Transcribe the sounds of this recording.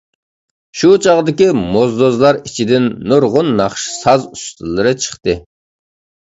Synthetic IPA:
ʃut͡ʃʰɑʁd̪ɪkʲimozd̪ozlˠɑɾit͡ʃʰid̪ɪnːuɾʁʊnːɑχʃsɑzust̪ʰɨlˠːɨɾɨt͡ʃʰə̥χt̪ɨ

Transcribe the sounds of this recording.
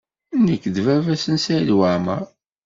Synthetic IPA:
nəkːðvævæsənsælwaʕmə̰ɾ

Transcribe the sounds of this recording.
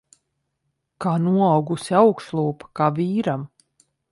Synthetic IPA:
kaːnuɔawɡusiawkslˠuːpḁkaːviːɾam

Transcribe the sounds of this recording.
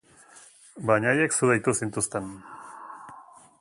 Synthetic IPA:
baɲajeksuðajt̪usint̪ust̪en

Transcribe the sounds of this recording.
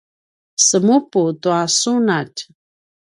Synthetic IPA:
səmuputuasunat

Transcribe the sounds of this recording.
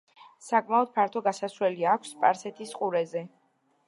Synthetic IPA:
sakʼmaɔd̪̥̚pʰaɾt̪ʰɔɡasasɾɛliakʷʰspʼaɾsɛt̪ʰisqʼuɾɛzɛ

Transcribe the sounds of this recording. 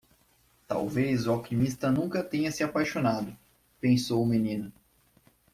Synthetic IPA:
t̪a̰wvezʊawkimist̪ɐnũkɐt̪ẽɲɐsɪapajʃonad̪ʊ | pẽsowʊmenĩnʊ

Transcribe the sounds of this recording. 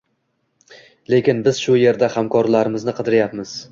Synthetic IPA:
le̞kʲɪnbɪz̥ʃʊje̞ɾd̪ahamkʰɒɾlaɾɪmɪznɪqʰɨd̪ɪɾɪjapmɪz̥

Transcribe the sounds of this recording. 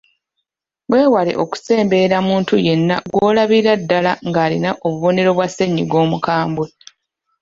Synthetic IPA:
ɡwe̞ːwale̞̰ʔo̞ku̥se̞ːmbe̞ɾamuːntuje̞nːa̰ɡwo̞ːlaβiɾadːalaŋɡaːlinaʔo̞βuβo̞ne̞ɾo̞βwase̞ɲːiɡwo̞ːmukaːmbwe

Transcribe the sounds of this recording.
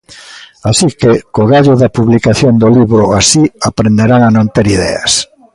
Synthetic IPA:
asikekoɣaʎʊðɐpuβlikaθjond̪oliβɾʊasiapɾend̪eɾaŋanõnt̪eɾiðɛ̰a̰s

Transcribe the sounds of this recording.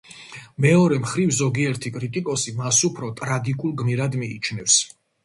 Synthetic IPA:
mɛɔɾɛmχɾivzɔɡiɛɾt̪ʰikʼɾit̪ʼikʼɔsimasupʰɾɔt̪ʼɾaɡikʼulˠɡmiɾad̪mḭːt͡ʃʰnɛfs

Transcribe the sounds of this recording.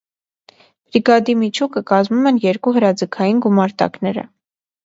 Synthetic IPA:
b̥ɾiɡɑd̪imit͡ʃʰukəkɑzmumɛnjɛɾkuɦəɾɑd͡zəkʰɑjinɡumɑɾt̪ɑ̰knɛɾə̰

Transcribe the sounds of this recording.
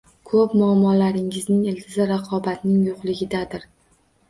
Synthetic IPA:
kʰɵpmʊamːɒlaɾɪŋɪznɪŋelt̪ʰɪzɪɾɑqʰɒbat̪nɪŋjoqlˠɪɡʲɪd̪ad̪ɪɾ

